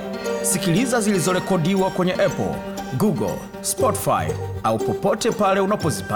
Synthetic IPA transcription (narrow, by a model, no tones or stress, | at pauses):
sikilizazilizɔɾɛkɔdiwakwɛɲɛʔɛpɔ̰l | ɡuɡɔ̰l | spɔti̥fa̰jaupɔpɔtɛpalɛunapɔzipa